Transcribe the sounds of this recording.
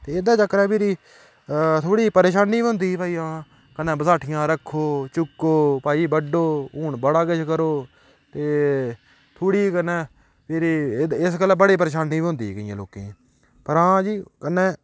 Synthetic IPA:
t̪eːɪd̪aːt͡ʃəkːɾɛːpeːɾiː | t̪ʰoːɽiːpəɾeːʃaːniːʊ̃nd̪iːpaːiːjãː | kənːɛ̃ːbəsaːʈʰɪjãːɾəkʰːoːt͡ʃʊkːoːpaːiːbəɖoːuːɳbəɽaːɡəʃkəɾoː | t̪eː | t̪ʰoːɽiːkənɛ̃ː | peːɾiːɪskəlːbəɽeːpəɾeːʃaːniːɦʊ̃nd̪iːkəijã̰ːlo̰ːkḛ̃ː | pəɾãːd͡ʒiːkənːɛ̃ː

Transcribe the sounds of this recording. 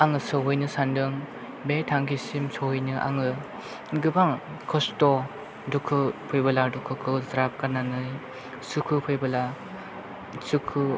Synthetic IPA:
aŋɯsɔɦɯjnɯsandɯŋ | betʰaŋɡisimsɔɦɯjnɯʔa̰ŋɯ | ɡɯbaŋ | kʰɔstɔ | dukʰɯpʰɯjbɯladukʰɯkʰɯzɾap̚kananɯj | sukʰɯpʰɯjbɯla | sɯkʰɯ

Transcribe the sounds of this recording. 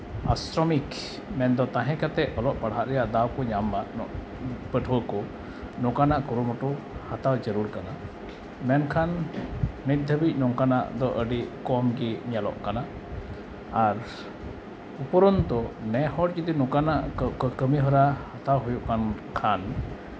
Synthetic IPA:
a̰sɾɔmik | mɛnd̪ɔt̪ãɦɛ̃kat̪ɛɔlɔʔpaɽɦaʔɾɛjaʔd̪awkɔɲambaʔɔʔ | pəʈʰwəkɔ | nɔkanaʔkɔɾumɔʈɔ | hat̪awd͡ʒəɾuɾkanaʔ | mɛnkʰanː | it̪̚d̪ʱəbic̚ˀnɔŋkana̰ʔd̪ɔʔəɖiʔkɔmɡiɲalɔ̰ʔkana | aɾ | upɔɾɔnd̪ɔnɛhɔʈd͡ʒid̪inɔkanaʔkkkəmiɦɔɾahat̪awɦujuʔkankʰan

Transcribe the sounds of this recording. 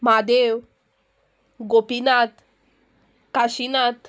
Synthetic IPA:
mad̪ew | ɡopinat̪ | kaɕinat̪

